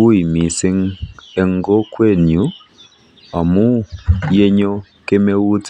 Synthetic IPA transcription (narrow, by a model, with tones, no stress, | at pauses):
u˦i˨mi˨se˦ŋe˨ŋɡɔ˦kwe˦˨nu˨˦ | a˨mu˦je˦ɲɔ˦ | ke˦me˦wu˦t͡s